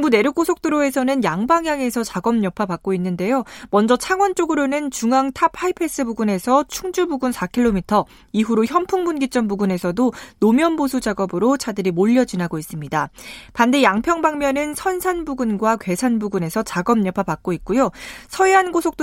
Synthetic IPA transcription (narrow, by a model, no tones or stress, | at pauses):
ŋbune̞ɾuk͈osʰok̚t͈ɯɾoe̞sʰʌnɯnjaŋbaŋjaŋe̞sʰʌt͡ɕaɡʌmɲʌpʰapak͈oinːɯnde̞jomʌnd͡ʑʌt͡ɕʰaŋwʌnt͡ɕ͈oɡɯɾonɯnt͡ɕuŋaŋtʰap̚ʰaipʰe̞s͈ɯbuɡune̞sʰʌt͡ɕʰuŋd͡ʑubuɡunsʰakʰiɭːomitʰʌ | iɦuɾoçjʌmpʰuŋmunɡit͡ɕ͈ʌmbuɡune̞sʰʌdonomjʌnbosʰud͡ʑaɡʌbɯɾot͡ɕʰadɯɾimoʎːʌd͡ʑinɦaɡois͈ɯmɲidapandejaŋpʰjʌŋbaŋmjʌnɯnsʰʌnsʰanbuɡunɡwakwe̞sʰanbuɡune̞sʰʌt͡ɕaɡʌmɲʌpʰapak̚k͈oitk̚k͈ujosʰʌeɦanɡosʰok̚t͈